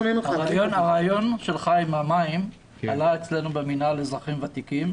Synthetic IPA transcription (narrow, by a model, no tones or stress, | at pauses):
nenuaʁajonaʁajo̞nʃe̞lχajmamaim | alaet͡slenubeminale̞zʁaχimvat̪ikim